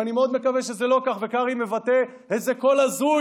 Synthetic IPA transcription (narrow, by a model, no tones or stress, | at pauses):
animeo̞d̪me̞kaveʃezelo̞kaχvekaʁime̞vat̪e | hezeko̞lazu